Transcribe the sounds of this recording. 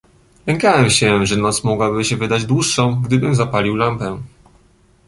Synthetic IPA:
lɛŋkawɛmɕɛʐɛnɔt̪smɔɡwabɘɕɛvɘd̪ad͡ʑd̪wuʂːɔ̃w̃ɡd̪ɘbɘmzapalʲiwlampɛ

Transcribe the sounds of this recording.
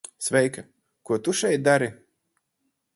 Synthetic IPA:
svɛjkɐ | kuɔt̪uʃɛjt̪̚d̪aɾi

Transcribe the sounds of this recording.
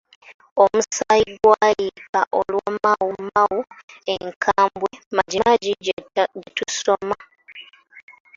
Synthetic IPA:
omusajiɡwajikaʔolwamawumawueŋkʰaːmbwemaɟimaɟiɟɟitusoma

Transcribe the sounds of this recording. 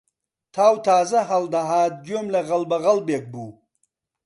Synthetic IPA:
t̪ʰaːwt̪ʰaːzɐɦald̪ɐɦaːd̪̚ɡomleɣɐlbɐɣɐlbek̚bu

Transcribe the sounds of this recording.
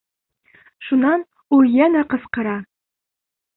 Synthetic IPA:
ʃunɑn | ujænæqɤ̆sqɤ̆ɾɑ

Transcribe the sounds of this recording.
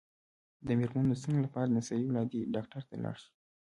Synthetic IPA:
d̪əmeɾmanosəŋɡlapɑɾad̪nasɑiwlɑd̪iɖɑk̚ʈaɾt̪a̰lɑ̰ɽʃu̥

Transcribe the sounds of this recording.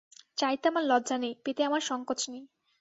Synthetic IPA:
t͡ɕajt̪amaɾlɔdd͡ʑanejpet̪eamaɾʃɔŋkot͡ɕnej

